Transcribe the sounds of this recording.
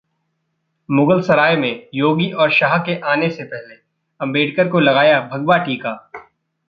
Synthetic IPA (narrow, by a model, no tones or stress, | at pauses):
mʊɡəlsɐɾaːjemẽjoːɡiʔɔːɾʃaɦkeʔaːnesepɛɦle | ɐ̃mbeːɖkəɾkolɐɡaːjabʱɐɡbaʈiːkaː